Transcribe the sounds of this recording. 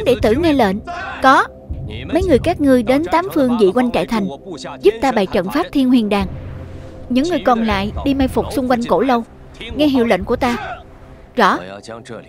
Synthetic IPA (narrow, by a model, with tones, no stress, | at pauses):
ŋ͡mɗe˧˩t̪ɨ̰˧˩ŋɛ˧lḛ˧˨nkɔ˨˦ | mə˨˦jŋɨ˨˩əjkaː˦˥k̚ŋɨ˨˩əjɗe˨˦nt̪aː˨˦mfɨ˧əŋzḭ˧˨kwa˧jŋ̟t͡ɕa̰ː˧˨jt̪ʰa˨˩jŋ̟zu˦˥p̚t̪aː˧ɓaː˨˩jt͡ɕə̰˧˨nfaː˦˥p̚t̪ʰi˧ənhḭ˧˩ənɗaː˨˩ŋ | ɲɨ̰˧˥ŋːɨ˨˩əjkɔ˨˩nla̰ː˧˨jɗi˧ma˧jfʊ˨˩k͡p̚sʊ˧ŋ͡mkwa˧jŋ̟ko˧˩lə˧w | ŋɛ˧ɦḭ˧˨əwlə̰˧˨n̟ku˧˩ət̪aː˧ | zɔ̰˧˩˥